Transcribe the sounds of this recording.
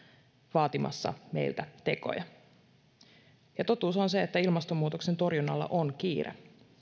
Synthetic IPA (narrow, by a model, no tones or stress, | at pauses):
ʋɑːt̪imʔɑ̰sːɑ̰me̞̰jlt̪æt̪e̞ko̞̰jɑ | jɑt̪o̞t̪uːso̞nseet̪ːæilmɑst̪omːuːt̪o̞kse̞nt̪o̞rjunːɑlːɑ̰ʔonkiːrḛ